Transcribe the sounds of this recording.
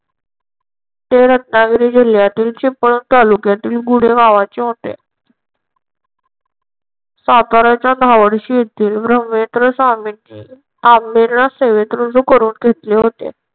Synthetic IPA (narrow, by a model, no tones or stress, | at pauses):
t̪eɾət̪naɡɾiːd͡ʑil̤jat̪iːlt͡ɕipəɳut̪alukjat̪iːlɡuɽ̤eɡaʋat͡ɕeɦot̪ḛ | sat̪aɾat͡ɕjad̪ʱaʋəɽɕiːjet̪iːlbɾəmːet̪ɾəsamini | amːeɾnaseʋet̪ɾud͡zokəɾuːnɡʱet̪leɦot̪ḛ